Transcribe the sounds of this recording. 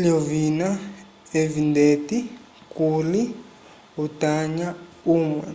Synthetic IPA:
liovina | evindʱetʼi | kʼuli | utaɲa | uːmwɛ

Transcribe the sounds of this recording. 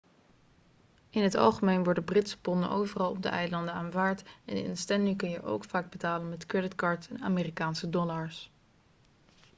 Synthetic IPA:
ɪnɦətɑ̰lˠχəmejnʋɔɹdəbrɪtsə̥pɔnə̰nʔowvərɑlˠɔb̚də̰ʔɛjlɑndənaːnvaːɹtɛnɪ̰nstɛnɪŋkɵnjəʔo̰wkfaːɡ̚bətaːlənmɛtkɹɛdɪtkɑːɹtɛna̰ːmeːrikaːnsədɔlaɹs

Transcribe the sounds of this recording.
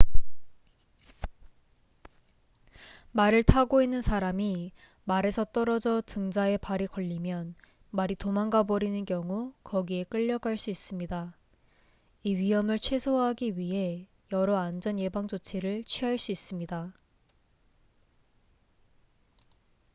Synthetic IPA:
maɾɯɭtʰaɡoinːɯnsʰaɾami | maɾe̞sʰʌt͈ʌɾʌd͡ʑʌtɯŋd͡ʑae̞paɾikʌʎːimjʌn | maɾitomaŋɡabʌɾinɯnkjʌŋukʌɡie̞k͈ɯʎːʌɡaɭs͈uis͈ɯmɲida | iɥiɦʌmɯɭt͡ɕʰwe̞sʰoɦaɡiɥiɦe̞ | jʌɾʌand͡ʑʌnje̞baŋd͡ʑot͡ɕʰeɾɯɭt͡ɕʰɥiɦaɭs͈uis͈ɯmɲida

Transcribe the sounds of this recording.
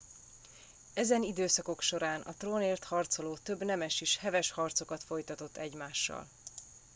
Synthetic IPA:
ɛzɛnid̪øːsɒko̞kʃo̞ɾaːnʔɒ̰t̪roːneːrt̪hɒrt̪so̞loːt̪øbnɛmɛʃeːʃhɛvɛʃhɒrt̪so̞kɒt̪fo̞jt̪ɒt̪o̞t̪ːɛɟmaːʃːɒ̰l

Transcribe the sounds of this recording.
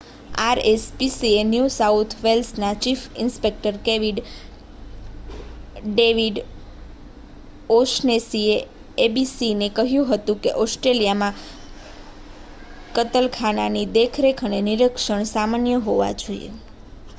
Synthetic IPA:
aɾespisienjusaut̪ʰʋelsnat͡ʃifɪnspek̚ʈəɾkeʋiɖ | ɖeʋiɖ | oʃnesieː | bisinekəɦjũɦət̪ũkḛʔɔsʈɾelijamã | kət̪əlkʰananid̪ekʰɾekʰəneniɾəkʃəɳsamanjəɦoʋa̰d͡ʒoḭjḛ

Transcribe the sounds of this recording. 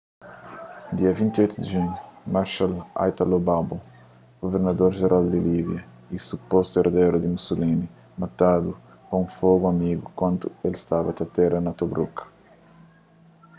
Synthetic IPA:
d̪iɐvĩnt̪iojt̪ud̪iʒuɲumaɾʃala̰jt̪alobabo | ɡ̥oveɾnɐd̪oɾʒeɾʔald̪ilibjɐ | isupɔst̪ueɾd̪ɛɾud̪imusulini | mat̪ad̪u | kõũfoɡuɐmiɡukwɐ̃nt̪uelst̪avɐt̪ɐt̪ɛɾɐnɐt̪obɾukɐ̥

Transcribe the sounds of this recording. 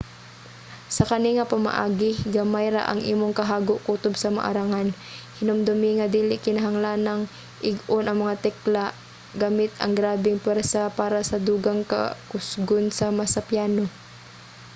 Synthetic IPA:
sɐkɐniŋɐpɐma̰ʔa̰ːɡɪɡamajɾa̰ʔɐ̰ŋʔḭːmoŋkɐɦaːɡoʔkuːt̪obsɐma̰ʔa̰ɾaŋan | hɪnʊmd̪ʊmɪŋɐd̪iːlɪʔkɪnɐɦaŋlanɐŋ | ʔɪɡonʔɐŋmɐŋat̪ɛklaʔ | ɡaːmɪt̪ɐ̰ŋɡɾaːbɪŋpwɛɾsapaːɾɐsɐd̪uːɡaŋkɐ̰kʊsɡonsɐmɐsɐpjaːno

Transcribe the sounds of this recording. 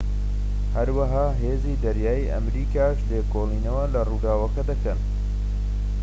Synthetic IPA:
hɐɾwɐɦaːɦeːziːd̪ɐɾjaːjiʔɐ̰mɾiːkaːʃleːkʰoːlˠiːnɐwɐlɐruːd̪aːwɐkɐd̪ɐkɐn

